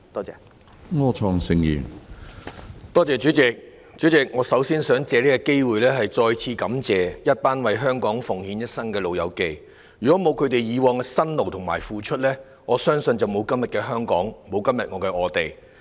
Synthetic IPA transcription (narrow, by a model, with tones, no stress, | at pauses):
t̪ɔː˥t͡sɛ̰ː˨ | ŋɔː˧˥t͡ʃʰɔː˧ŋsɪ˧ŋjḭː˨˩ | t̪ɔː˥t͡sɛː˨t͡ʃyː˨˥t͡sɪ˨k̚ | t͡ʃyː˨˥t͡sɪ˨k̚ŋɔː˨˧˥sɐ˨˥wsiː˥nsœː˨˥ŋt͡sɛː˨˧liː˥kɛ˧ke˥jwu˨jlɛː˥ɦɐ˨jt͡ʃɔː˧jt͡sʰiː˧kɐ˨˥mt͡sɛː˨jɐ˥t̚paː˥nwɐ˨jɦœː˥ŋkɔː˨˥ŋfʊ˨˩ŋhiː˨˥njɐ˥t̚sɐ˥nkɛː˧lo˨wjɐ˨˧wke˨j | jyː˨kɔː˨˥mo˨˧wkʰɵ˨˧ɥt̪e˨jjiː˨˧wɔː˨˧ŋɛ˧sɐ˥nlo˨wt̪ʰʊ˨˩ŋmaː˨˩jfuː˨t͡ʃʰɵ˥t̚lɛː˥ | ŋɔː˨˧sœː˥ŋsɵ˧nt͡sɐ˨wmo˨˧wkɐ˥mjɐ˨t̚kɛː˧ɦœː˥ŋkɔː˨˥ŋmo˨˧wkɐ˥mjɐ˨t̚ŋɔː˨˧kɛ˧ʔɔː˨˧t̪e˨j